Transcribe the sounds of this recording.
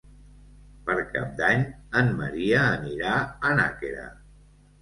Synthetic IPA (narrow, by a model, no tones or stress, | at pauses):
pəɾka̰p̚d̪aɲəmmə̰ɾiəːniɾaəna̰keɾə̰